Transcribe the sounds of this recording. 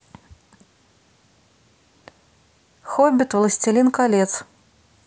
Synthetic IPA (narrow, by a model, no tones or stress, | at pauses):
xɔbʲit̪vlˠɐsʲt͡sʲilʲinkalʲɛt̪s